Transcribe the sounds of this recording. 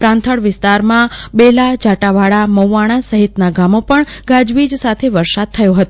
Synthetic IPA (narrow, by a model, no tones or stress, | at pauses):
pɾãnt̪ʰəɽʋɪst̪aɾmãbelad͡ʒaʈaʋaɽaməwːaɽ̃asəɦit̪naɡamopəɳɡad͡ʒʋid͡ʒsat̪ʰeʋəɾsad̪̚t̪ʰəjõɦət̪o